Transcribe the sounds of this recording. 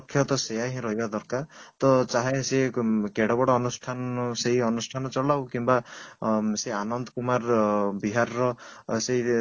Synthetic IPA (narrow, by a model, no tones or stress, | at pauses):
kʰːjɔt̪ɔsejaɦĩɾɔɦibad̪ɔɾkaɾt̪ɔt͡ʃaɦesekeɽɔbɔɽɔːnusʈʰanseɦiɔnusʈʰanɔt͡ʃɔlawkimba | seanɔnd̪ɔkumaɾbiɦaɾɾɔseɦi